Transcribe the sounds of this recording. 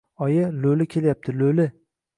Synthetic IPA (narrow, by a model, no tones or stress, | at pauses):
ɒjɪlɵlɪkʲʰe̞ljap̚t̪ʰɪlɵlɪ